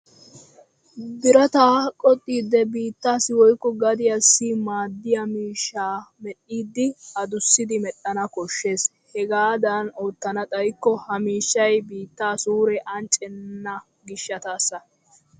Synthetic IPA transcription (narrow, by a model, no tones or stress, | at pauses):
d̪ɪɾɐt̪aːkʼɔt̪ʼːiːd̪ːɛbiːt̪ːaːsɪwɔjkːɔɡɐd̪ɪjɐsːɪmaːd̪ːɪjɐmiːʃːaːmɛɗːiːd̪ːɪɐd̪ʊsːɪd̪ɪmɛɗɐnɐkɔʃːe̞ːs | hɛɡaːd̪ɐnoːt̪ːɐnɐt̪ʼɐjkːɔhɐmiːʃːɐjbiːt̪ːaːsuːɾɛʔɐnt͡ʃʼɛnːɐ | ɡɪʃːɐt̪aːsːɐ